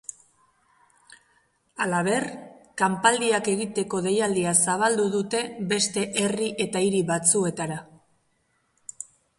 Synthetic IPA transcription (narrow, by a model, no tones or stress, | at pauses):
alaβ̞e̞rkampald̪iake̞ɣit̪e̞ko̞ðe̞jald̪iasaβ̞ald̪uðut̪e̞be̞st̪e̞ʔe̞riʔe̞t̪aiɾiβat͡sue̞t̪aɾa